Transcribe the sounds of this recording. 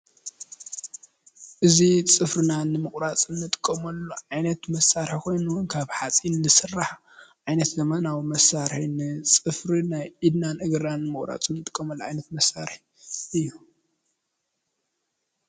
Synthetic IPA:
ʔɨzit͡sʼɨfɾɨnanɨmɨkʼɾat͡sʼɨnːɨt̪ʼɨ̥kʼːɐmɐlːuʕajnɐt̪mɐsaɾħkʰo̞jnuwunkʰaβħat͡sʼinːɨsɨrːaħ | ʕajnɐt̪zɐmɐnawmɐsaɾħinɨt͡sʼɨfɾinajʔid̪nanɨɡɨɾanːɨmɨχʼɾa̰t͡sʼumnɨt̪ʼɨ̥kʼːɐmɐlːoʕajnɐt̪mɐsaɾħi | ʔɨjːu

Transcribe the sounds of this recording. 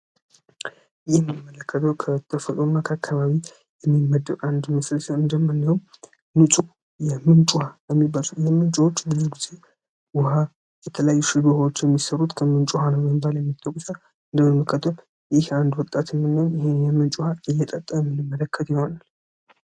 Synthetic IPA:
jɛmːmːələkːət̪ʰəwkʰət̪ʰːəfət̪ʼonːakʰəakʰːaβaβi | jɛmːimːəd̪ːəɾand̪mɨsləsəwɨnd̪əmːɨnːəwum | nɨt͡ʃʼu | jɛmɨnt͡ʃʼuhajɛmːibazujɛmɨnt͡ʃʼuwot͡ʃːbɨzuhɡize̞ | wʊha | jɛt̪ʰələjajːuʃɪd̪uhawot͡ʃːjɛmːisəɾut̪kʰəmɨnt͡ʃʼuhanəməmbaljɛmːit̪ʰʼːəkʼːsə | ɨnd̪əmɨnməkʰət̪ʰːəl | jɪhand̪wɔt̪ʼːat̪ʰnːɨnːəjɪhenjɛmɨnt͡ʃʼuhaʔɨjːɛt̪ʼət̪ʼːəɛmːɨlɨmːələkːət̪jɪhonal

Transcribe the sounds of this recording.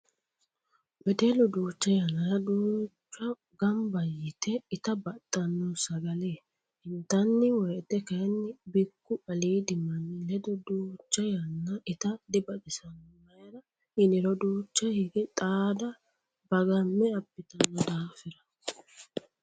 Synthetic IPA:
bɛd̪ɛlɔd̪uːt͡ʃːɐjɐnːɐɾɐd̪uːt͡ʃːɐ | ɡɐmbɐjːɪt̪ɛɪt̪ɐbɐt̪ʼːɐnːɔsɐɡɐle | hɪnt̪ɐnːɪwɔjt̪ɛkɐjnːɪbɪkːʊɐliːd̪ɪmɐnːɪlɛd̪ɔd̪uːt͡ʃːɐjɐnːɐɪt̪ɐd̪ɪbɐd̪ɪsɐnːɔmɐjɾɐ | ɪnɪɾɔd̪uːt͡ʃːɐhɪɡɛt̪ʼaːd̪ɐ | bɐɡɐmːɛɐbːɪt̪ɐnːɔd̪aːfɪɾɐ

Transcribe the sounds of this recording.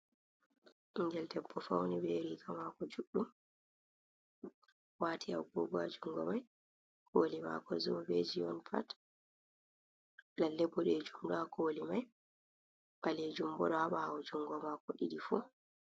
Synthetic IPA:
iŋɡɛldɛbːɔfawnibɛɾikamakɔd͡ʒuɗːum | waːtʰia̰wɡɔ̰ɡɔad͡ʒuŋɡɔ̰maj | kʰoːlima̰kɔzɔbed͡ʒijɔnfa̰t | lalɛbːɔɗɛd͡ʒumdakʰoːlimaj | ɓaled͡ʒumbɔ̰ɗɔhaɓaawɔd͡ʒuŋɡɔmakɔɗiɗifu

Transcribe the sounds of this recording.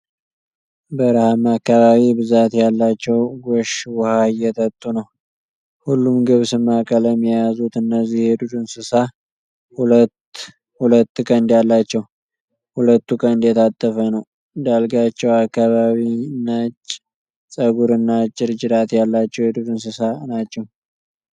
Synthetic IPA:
bəɾhamakːaβaβibɨzat̪jalːat͡ʃːɛwɡoʃwhajɛt̪ʰət̪ʼːunəw | hulːumɡɨβsɨmːakʼələmːijazut̪ɨnːəzːijhed̪ud̪ɨnsɨsa | hult | hulət̪ːkʼənd̪jalːat͡ʃːɛw | hulət̪ːukʼənd̪jɛt̪ʰat̪ʼːəfənəw | d̪alɡat͡ʃːɛwakːaβaβinat͡ʃːʼ | sʼəɡuɾɨnːat͡ʃʼːɪɾd͡ʒɪd̪at̪jalːat͡ʃːɛwhed̪ud̪unsɨsanat͡ʃːɛw

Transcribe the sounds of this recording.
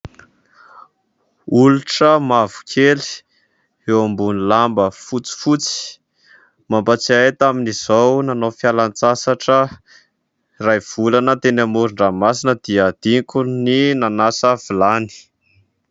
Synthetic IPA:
uluʈ͡ʂəmavu̥kʰeli̥ | ewambunilambəfut͡si̥fut͡si̥ | mampat͡siajt̪aminiz̥ownanofjalant͡sasaʈ͡ʂə | rajv̥ulanət̪enamuɾuɳɖ͡ʐamas̬inəd̪̥iəd̪̥iŋkuninanasəvilani̥

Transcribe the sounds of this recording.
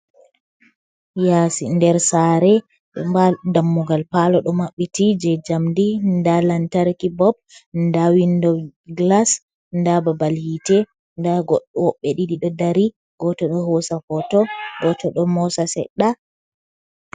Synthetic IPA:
jasindɛɾsaɾɛ | ɗɔadamːuɡalpalɔɗɔmaɓːitid͡ʒɛd͡ʒamdindalantaɾkibɔb̚ndawindɔɡlas | ndababaljitɛ | ndaɡɔɗwɔɓːɛɗiɗiɗɔdaɾi | ɡ̥ɔtɔɗɔɦɔsafɔtɔɡɔtɔɗɔmɔsasɛ̰ɗːa

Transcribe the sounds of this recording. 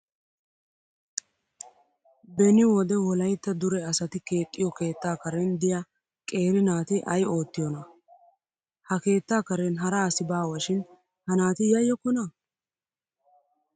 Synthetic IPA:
bɛnɪwɔd̪ɛwɔlɐjt̪ːɐd̪ʊɾɛɐsɐt̪ɪke̞ːt̪ʼːɪjɔke̞ːt̪ːaːkɐɾɛnd̪ɪjɐ | kʼe̞ːɾɪnaːt̪ɪʔɐjo̞ːt̪ːɪjɔnɐ | hɐke̞ːt̪ːaːkɐɾɛnɦɐɾɐːsɪbaːwɐʃɪn | hɐnaːt̪ɪjɐjːɔkːɔnɐ

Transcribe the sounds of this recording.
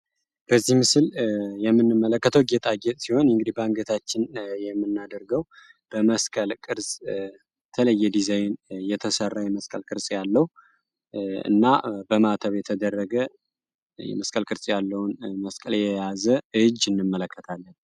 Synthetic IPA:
b̥əzːihmɨsɨljɛmːɨnːɨmːələkːət̪ʰəwɡɛt̪ʼaɡɛt̪ʼsiho̞nɨŋɡɨd̪ibaŋɡət̪ʰat͡ʃːɪnjɛmːɨnːad̪əɾɡəw | b̥əməskʼəlkʼɨɾsʼ | ət̪ʰələjːɛd̪izajnjɛt̪ʰəsərːajɛməskʼəlkʼɨɾsʼjalːəhu | ɨ̰nːabəmat̪ʰəβjɛt̪ʰəd̪ərːəɡə | jɛ̰məskʼəlkʼɨɾsʼjalːəwnməskʼəljɛjazəɨd͡ʒɨnːɨmːələkʰːət̪ʰalːən

